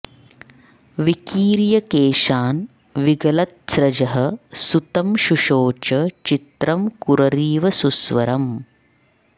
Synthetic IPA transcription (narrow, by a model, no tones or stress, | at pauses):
ʋikiːɾjɐkeːʃaːn | ʋiɡɐlɐt̪̚sɾɐd͡ʒɐɦɐ̆sut̪ɐmʃuʃoːt͡ʃɐt͡ʃit̪ɾɐmkuɾɐɾiːʋɐsusʋɐ̰ɾɐm